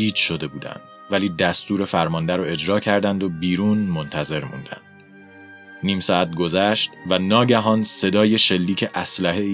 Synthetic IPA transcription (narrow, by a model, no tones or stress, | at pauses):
iːd͡ʒʃo̞d̪e̞buːd̪æ̰nd̪̥̚ | væliːd̪æst̪uːɾe̞fæɾmɒnd̪æɾoe̞d͡ʒɾɒːcʰæɾd̪ænd̪o̞biːɾuːnmo̞nt̪ʰæze̞ɾmṵnd̪æ̰nd̪̥ | niːmsɒːæt̪̚ɡo̞zæʃt̪vænɒːɟæɦɒːnse̞d̪ɒːje̞ʃe̞lːiːcʰe̞ʔæslæɦe